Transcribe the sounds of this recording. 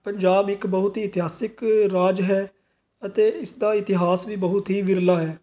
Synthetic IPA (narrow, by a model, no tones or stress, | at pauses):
pəɲd͡ʒaːbɪkbəɦʊt̪ɦiːt̪ɪɦaːsɪkɾaːd͡ʒɦɛː | ət̪eːɪsd̪aːɪt̪ɪɦaːsʋiːbəɦʊt̪ɦiːʋɪɾlaːɦɛː